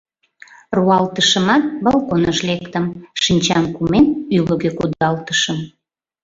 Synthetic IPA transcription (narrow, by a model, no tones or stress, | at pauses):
ruɑlt̪əʃəmɑt̪̚bɑlkonəʃlekt̪əmʃinʲt͡ɕɑmkumenyləɣekud̪ɑlt̪əʃəm